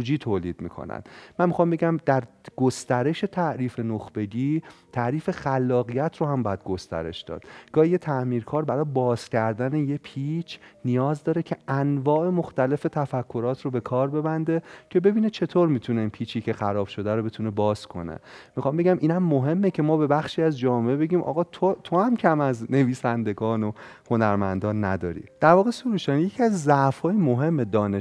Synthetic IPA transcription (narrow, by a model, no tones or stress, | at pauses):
ud͡ʒiːt̪ʰoːliːd̪̚mḭːkʰo̞̰næ̰nmænmixɒːmbe̞ɟæmd̪æɾɡ̥ost̪æɾe̞ʃe̞t̪ʰæʔɾiːfe̞noxb̥e̞ɟiːt̪ʰæʔɾiːfe̞xælːɒːɣijæt̪ʰrohæmbɒːjæd̪̚ɡo̞st̪æ̰ɾe̞̰ʃd̪ɒ̰ːd̪̥ɡ̥ɒːhijet̪ʰæʔmiːɾkʰɒːɾbæɾɒːjebɒːz̥cʰæɾd̪æneje̞pʰiːt͡ʃʰnijɒːzd̪ɒːɾecʰe̞ænvɒːʔe̞moxt̪æle̞fe̞t̪ʰæfækʰːo̞ɾɒːt̪ʰɾobe̞kʰɒːɾbe̞bænd̪e̞cʰe̞be̞biːnet͡ʃʰe̞t̪ʰoːɾmiːt̪ʰuneinpʰiːt͡ʃʰicʰe̞xæɾɒːb̥ʃo̞d̪æɾobe̞t̪ʰune̞bɒːskʰo̞̰nḛmixɒːmbe̞ɟæmʔiːnæmːoɦe̞mːecʰe̞mɒːbe̞bæxʃiːæzd͡ʒɒːmeʔebe̞ɟiːmʔɒ̰ːɣɒːt̪ʰot̪ʰohæmcʰæmæzne̞viːsænd̪e̞ɡɒːno | ho̞næɾmænd̪ɒːnːæ̰d̪ɒ̰ːɾḭːd̪̥æɾvɒːɣesoɾuːʃænjecʰiæzzæʔfhɒːjimoɦe̞mːed̪ɒːne